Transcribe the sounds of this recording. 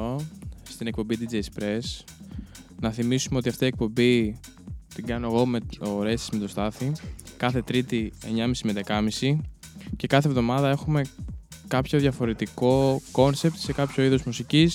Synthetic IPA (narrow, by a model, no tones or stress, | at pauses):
ost̪ine̞k̚po̞mbid̪id͡zejspɾe̞s | nɐθimisumeo̞t̪iɐft̪ie̞k̚po̞mbi | t̪iɡɐnoeɣo̞meoɾe̞st̪i̥sme̞t̪o̞st̪ɐθikɐθe̞t̪ɾit̪ie̞̰ɲɐmisimeðe̞kɐmisi | ce̞kɐθe̞vðo̞mɐðɐe̞xume̞kɐpço̞ðʝɐfo̞ɾe̞t̪iko̞ko̞nse̞p̚t̪se̞kɐpço̞iðozmusicis